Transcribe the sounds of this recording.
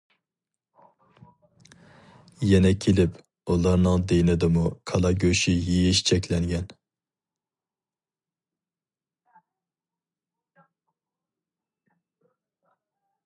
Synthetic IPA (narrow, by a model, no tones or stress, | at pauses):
jɛnɛkʲʰelɪp | ulˠɑɾnɨŋd̪ejnɪd̪ɨmukʰɑlˠɑɡʲøʃijijiʃt͡ʃʰɛkʲʰlɛŋɡʲɛn